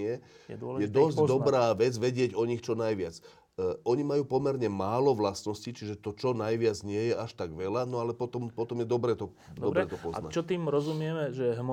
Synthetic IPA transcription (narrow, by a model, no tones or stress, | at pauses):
ɛjɛd̪ɔsd̪ɔbɾaːʋɛd͡zʋɛɟɪɛɟɔɲixt͡ʃɔnajʋɪat͡sː | ɔɲimajuːpɔmɛɾɲɛmaːlɔʋlasnɔscit͡ʃiʒɛt̪ɔt͡ʃɔnajʋɪad͡zɲɪɛjɛaʃt̪aɡʋɛlanɔalɛpɔt̪ɔmpɔt̪ɔmjɛd̪ɔbɾɛːt̪ɔ | d̪ɔɾɾɛːt̪ɔpɔz̰nat͡ʃɔt̪iːmɾɔzumɪɛmɛʒɛɦm